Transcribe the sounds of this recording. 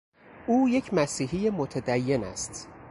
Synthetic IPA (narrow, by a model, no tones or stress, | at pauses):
ʔuːje̞cʰmæsiːɦijemot̪ʰæd̪æjːe̞næ̰st̪